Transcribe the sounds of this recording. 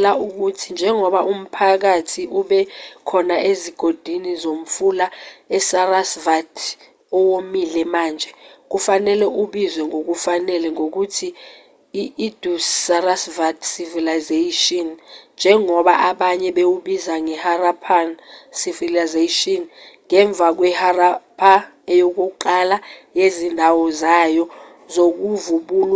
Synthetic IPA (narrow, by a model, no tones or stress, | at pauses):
lauk̬utʰind͡ʒʱɛŋɔɓaʔum̩pʰak̬atʰiʔuɓɛkʰɔnaeziɡ̥ʱod̥ʱinizom̩fulaɛsarasvatʰ | ɔwomilɛmaːnd͡ʒʱɛk̬ufanɛlɛʔuɓizwɛŋok̬ufanɛlɛŋok̬utʰiː | d̥ʱussarasvatsivilazeʃɔnnd͡ʒʱɛŋɔɓaʔaɓaɲɛɓewuɓizaŋɛharapʰansivilazaʃɔnŋɛɱb̪vʱak̬wɛharapʰa | ɛjok̬uǃalajezindʱawɔzajɔ | zok̬uvuɓuːl